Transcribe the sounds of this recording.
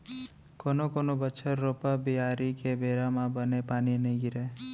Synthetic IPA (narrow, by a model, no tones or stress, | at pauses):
koːnokoːnobəːt͡ʃʰəɾːopabiaːɾikebeːɾamãbənepaːninəɡiɾe